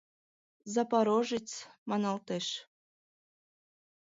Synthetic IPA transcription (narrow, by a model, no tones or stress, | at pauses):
zɑpɑɾoʒɨt͡smɑnɑlt̪eʃ